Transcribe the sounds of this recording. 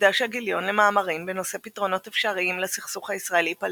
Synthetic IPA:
d̪aʃeaɡiljo̞nlemaːmaʁimbeno̞se̞pitʁo̞no̞tefʃaʁiimlasiχsuχhaisʁae̞lipal

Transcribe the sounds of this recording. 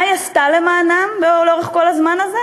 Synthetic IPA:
jast̪alemaːnambeoloʁeχko̞lazmanaze

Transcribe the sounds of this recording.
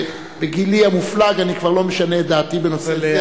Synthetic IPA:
beɡiliamuflaɡanikvaʁlo̞meʃaned̪aːt̪ibenose

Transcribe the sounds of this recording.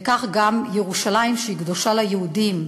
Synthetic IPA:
kaχɡamjeʁuʃalaimʃeiɡd̪o̞ʃalajehud̪im

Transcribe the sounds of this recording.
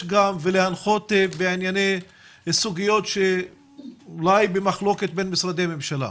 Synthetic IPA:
ɡamvelehanχo̞t̪ebeʕinjanej | esuɡijo̞t̪ʃe | ulajbemaχlo̞ke̞t̪̚be̞nmisɾad̪eamemʃala̰

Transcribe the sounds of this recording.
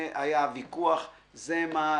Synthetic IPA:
ʔajavikuaχ | zema

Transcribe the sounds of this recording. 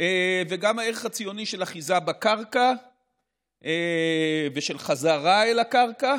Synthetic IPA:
eveɡamhaeʁeχat͡sijo̞niʃelaχizabakaʁka | ʔe | veʃe̞lχazaʁaelakaʁka

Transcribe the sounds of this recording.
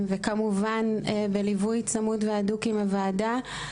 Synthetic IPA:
vekamuvanbelivujt͡samutveadukimavaːda

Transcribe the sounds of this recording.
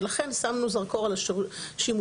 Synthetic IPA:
laχensamnuzaʁkoʁalaʃimu

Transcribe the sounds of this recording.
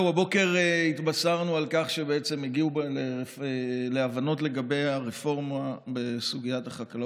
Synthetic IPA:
wabo̞ke̞ʁeitbasaʁnualkaχʃebeet͡se̞miɡiubleefeleavano̞tle̞ɡabe̞jaʁefo̞ʁmabe̞suɡijataχakal

